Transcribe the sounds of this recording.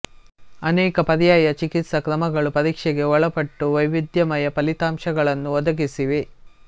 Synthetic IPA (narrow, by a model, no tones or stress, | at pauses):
ɐnɛːkɐpɐɾɐjaːjɐt͡ʃikit̪sɐkɾɐmɐɡɐɭupɐɾiːkʂɛɡe̞ɔɭɐpɐʈːuʋɐjʋid̪jɐmɐjɐpɐlit̪aːmʃɐɡɐɭɐnːuʋɔd̪ɐɡisiʋe